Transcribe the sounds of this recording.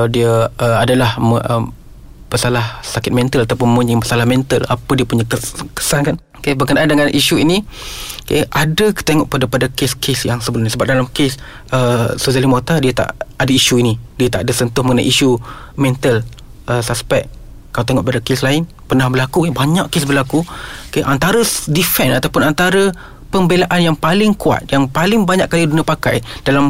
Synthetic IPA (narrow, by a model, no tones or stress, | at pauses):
diəəadalahmʔə | b̥əsalahsakɪt̪̚mɛnt̪əlat̪awpʊnməuɲibəsalahmɛnt̪əla̰pədiəpuɲakəkə̥sankan | okebəkənaandəŋanʔiʃuinikḛʔadəkə̥t̪eŋɔʔpadapadakeskʰesjaŋsəbəlʊnɲasəbap̚dalamkes | əsozalimot̪adiət̪a̰ʔadaiʃuinidiat̪aʔadasənt̪ʊhməŋənajʔiʃu | mɛ̃nt̪ələsaspɛk̚kalot̪eŋɔʔpadakeslaɪn | pərnahbəlakukebaɲaʔkːesbəlakukeʔant̪aɾədifɛnat̪awpʊnant̪aɾə | pəmbelaʔanjaŋpalɪŋkua̰t̪̚jaŋpalɪŋbaɲa̰ʔkːadiəduniapaka̰jdalam